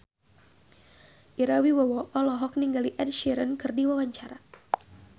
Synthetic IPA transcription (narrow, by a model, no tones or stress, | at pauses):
ʔiɾawiwawɔʔɔlɔɦɔk̚niŋɡaliʔɛd̚ʃiɾənkɨrdiwawaɲt͡ʃaɾa